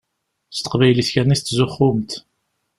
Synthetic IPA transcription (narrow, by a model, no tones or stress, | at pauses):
st̪ə̥qvæjliθçænist̪ːzʊχːʊmt̪